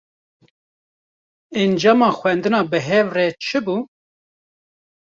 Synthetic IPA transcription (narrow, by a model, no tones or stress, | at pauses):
ɛnd͡ʒɑːmɑːxʷwɛnd̪ɨnɑːbɨɦɛvrɛt͡ʃʰɨbu